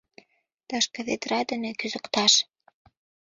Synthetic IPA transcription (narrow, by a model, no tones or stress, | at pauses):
t̪ɑʃkɤ̆ðet̪rɑd̪ɘ̆nekyzə̆kt̪ɑʃ